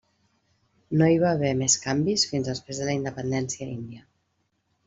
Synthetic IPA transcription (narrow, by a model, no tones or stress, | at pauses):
noiβaːβ̞ɛmeskambisfinzðəspɾezðələind̪əpənd̪ɛnsiəind̪iə